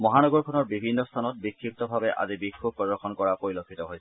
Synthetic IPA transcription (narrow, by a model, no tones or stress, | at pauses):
mɔɦanɔɡɔɹkʰɔnɔɹbibʱinːɔst̪ʰanɔt̚bikʰːip̚tɔbʱabɛʔa̰zibikʰːubpɹɔdɔɹxʰɔnkɔɹapoɹilokʰːitɔɦojsɛ